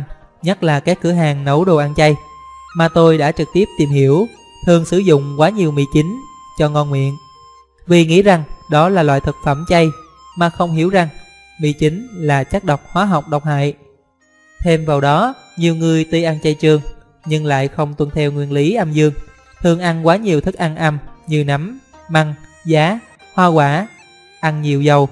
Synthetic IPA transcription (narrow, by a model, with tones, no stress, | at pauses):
ɲə˦˥t̚laː˨˩kaː˦˥kːɨ˧˩əɦaː˨˩ŋnə˨˦wɗo˨˩ʔaː˧nt͡ɕa˧j | maː˨˩t̪o˧jɗa̰ː˧˥t͡ɕɨ˨˩k̚t̪i˦˥əp̚t̪i˨˩mɦi˧˩əw | t̪ʰɨ˧əŋsɨ˧˩zʊ̰˧˨ŋ͡mkwaː˨˦ɲi˨˩əwmḭ˧˨t͡ɕi˨˦ŋ | t͡ɕɔ˧ŋɔ˧nŋwḭ˧˨ən | vi˨˩ŋḭ˧˥za˨˩ŋɗɔ˨˦laː˨˩lwa̰ː˧˨jt̪ʰə˨˩t̚fə˧˩mt͡ɕa˧j | maː˨˩xə˧wŋ͡mɦḭ˧˩əwza˨˩ŋ | mḭ˧˨t͡ɕi˨˦ŋlaː˨˩t͡ɕa˦˥k̚ɗə˨˩wk͡p̚hwaː˨˦ɦa˨˩wk͡p̚ɗə˨˩wk͡p̚ha̰ː˧˨j | t̪ʰe˧mvaː˨˩wɗɔ˨˦ɲi˨˩əwŋɨ˨˩əjt̪i˧ʔa˧nt͡ɕa˧jt͡ɕɨ˧əŋ | ɲɨ˧ŋla̰ː˧˨jxə˧wŋ͡mt̪wə˧nt̪ʰɛ˧wŋwi˧ənli˨˦ʔa˧mzɨ˧əŋ | t̪ʰɨ˨˩əŋʔa˧nkwaː˨˦ɲi˨˩əwt̪ʰɨ˦˥k̚ʔa˧nʔa˧mɲɨ˧na˨˦m | ma˧ŋ | zaː˨˦ | hwaː˧kwaː˧˩ | ʔa˧nɲḭ˨˧˨əwzə˨˩w